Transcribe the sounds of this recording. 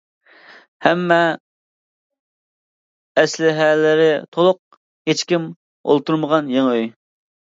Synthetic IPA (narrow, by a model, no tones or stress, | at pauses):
hɛmːɛ | slɪɦɛlɪɾɪt̪ʰolˠʊq̚ | het͡ʃkʲim | o̰lˠt̪uɾməʁɑnjeŋøj